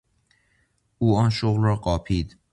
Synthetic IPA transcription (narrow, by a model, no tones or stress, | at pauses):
ʔuːɒːnʃoɣlrɒːɢɒːpʰiːd̪̥